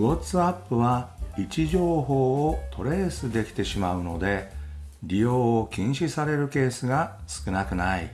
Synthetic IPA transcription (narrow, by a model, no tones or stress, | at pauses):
ot͡sɨapːɯ̟βait͡ɕiʑo̞ːɦo̞ːt̪ʰo̞ɾe̞ːsɨd̪e̞kʲi̥t̪e̞ɕimaɯ̟no̞d̪e̞ɾʲijo̞ːkʲĩɰ̃ɕisaɾe̞ɾɯ̟ke̞ːsɨɡasɨ̥kɯ̟nakɯ̟naḭ